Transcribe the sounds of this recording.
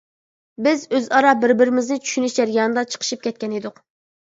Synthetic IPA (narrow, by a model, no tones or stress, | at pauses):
bɪzøzɑɾɑbɪɾbɪɾɪmɪznɪt͡ʃʰy̥ʃynyʃd͡ʒæɾjɑːnɨd̪ɑt͡ʃʰə̥qʰə̥ʃip̚kʲɛt̪̚ʲkʲɛned̪ʊq